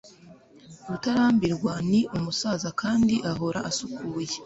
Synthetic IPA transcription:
βutaɾaːmbiɾɡwaniʔumusaːzakaːndiʔaɦo̞ɾaʔasukʰuːje

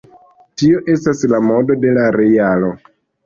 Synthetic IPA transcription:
tio̞ʔe̞staslamo̞do̞de̞laɾe̞jalo̞

